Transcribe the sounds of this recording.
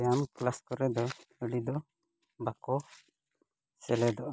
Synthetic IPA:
jamklaskɔɾɛd̪ɔəɖid̪ɔ | bakɔ | sɛlɛd̪ɔʔ

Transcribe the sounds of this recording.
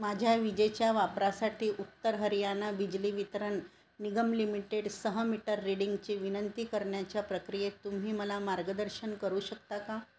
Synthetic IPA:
mad͡ʑʱjaʋid͡ʑet͡ɕjaʋapɾasaʈʰiːʔut̪ːəɾɦəɾijanabid͡ʑliʋit̪ɾənː | iɡəmlimiʈeɽsəɦəmiʈəɾːiɽiŋɡt͡ɕeʋinənt̪iːkəɾɳjat͡ɕjapɾəkɾijet̪um̤iːməlamaɾɡəd̪əɾɕənkəɾuːɕəkt̪aka

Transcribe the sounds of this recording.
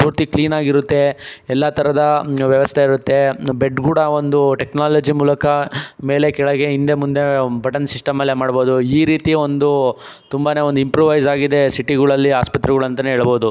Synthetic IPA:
puːɾt̪ikliːnaːɡiɾut̪ːe̞ɛlːɐt̪ʰɐɾɐd̪ɐʋjɐʋɐst̪ʰeiɾut̪ːe̞beɖkuːɽɐo̞nd̪uʈeknaːlɐd͡ʒimuːlɐkɐme̞ːle̞kɛɭɐɡe̞ind̪emund̪e̞bɐʈɐnsisʈɐmːɐlːemaːɽbo̞ːd̪uiːɾiːt̪io̞nd̪u | t̪umbaːne̞ːond̪uimpɾuːʋɐjzaːɡid̪e̞siʈiɡɐɭɐlːiaːspɐt̪ɾɛɡɐɭɐnt̪ɐneɦeːɭɐbo̞ːd̪u

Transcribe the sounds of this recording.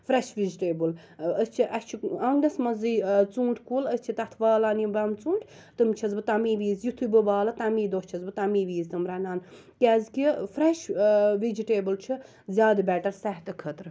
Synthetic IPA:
fɾeʃʋid͡ʒiʈeːbɨl | əst͡ʃʰiʔɐst͡ʃʰiɐŋɡnɐsmɐzɨt͡sũːɳʈʰʲkuːləsʲt͡ʃʰit̪ɐt̪ʰʋaːlaːnibɐmt͡suːɳʈʰʲ | t̪ɨmt͡ʃʰɐzbɨt̪ɐmiːʋiːzjut̪ʰubɨbaːlɐt̪ɐmiːd̪ost͡ʃʰɐzbɨt̪ɐmiːʋiːzt̪ɨmɾɐnaːn | kʲɛːzkifɾeʃʋid͡ʒiʈeːbɨlt͡ʃʰi | zʲjaːd̪bɛʈɐɾsɐɦt̪ɨkʰət̪ɾɨ

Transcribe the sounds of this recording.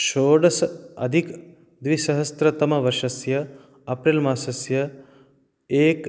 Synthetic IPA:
ʃoːɖɐsɐ̰d̪ʱik | d̪ʋiʃɐɦɐst̪ɾɐt̪ɐmɐʋɐɾʃɐsjɐ | ɐpɾelmaːsɐsjɐ | eːk

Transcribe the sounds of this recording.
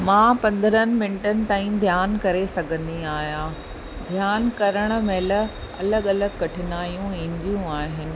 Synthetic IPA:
mãːpɐ̃nd̪ʱəɾənɪ̆mɪ̃nɪʈənɪ̆t̪aːĩd̪ʱjaːnkɐɾesɐɡʱə̃nd̪iaːɦijãː | d̪ʱjaːnkɐɾəɽ̃ə̆meːlə | ɐ̰ləɡɐləɡkɐʈʰɪnaːijũẽɲd͡ʑijũaːɦɪnɪ̆

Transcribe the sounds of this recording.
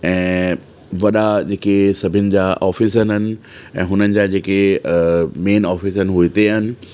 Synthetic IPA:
ɛ̃ː | ʋɐɗad͡ʑeːkesɐbʱɪnɪ̆d͡ʑaːʔɔːfis̬ənɦɐnɪ̆ | ɛ̰̃ːɦʊnənɪ̆d͡ʑad͡ʑeːke | meːnɔːfisənɪ̆ɦuit̪eɐnɪ̆

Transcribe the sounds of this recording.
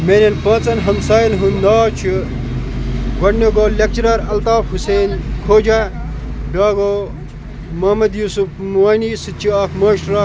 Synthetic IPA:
meːnɐnpɐ̃ːt͡sɐnɦɐmsaːjlɦunnaːt͡ʃʰi | ɡɐɽnoɡoːlːɐk̚t͡ʃɾɐɾɐlt̪aːfɦuseːnkʰoːd͡ʒa | ɖaːɡoː | mɐmɐd̪juːsupmaːnisɨt͡ʃʰiaːkmɐːʃʈɾaː

